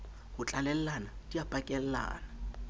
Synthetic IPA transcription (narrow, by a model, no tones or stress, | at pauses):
hʊt͡ɬʼalɛl̩lanatʼijapʼakʼɛl̩la̰ːna